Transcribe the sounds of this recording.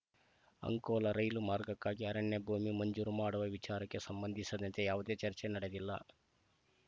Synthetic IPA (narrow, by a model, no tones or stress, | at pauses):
ɐ̰ŋkɔːlɐɾɐjlumaːɾɡɐkːaːɡiɦɐɾɐɳːebʱuːmimɐɲd͡ʒuːɾumaːɽuʋɐʋit͡ʃaːɾɐkːe̞sɐmbɐnd̪ʱisɐd̪ɐnt̪ejaːʋud̪e̞ːt͡ʃɐɾt͡ʃenɐɽe̞d̪ilːɐ̰